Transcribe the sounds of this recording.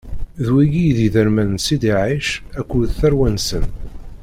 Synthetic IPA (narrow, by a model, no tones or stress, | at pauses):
ðwiɡijðiðəɾmænsid̪iʕiʃækʷːuðθæɾwænsən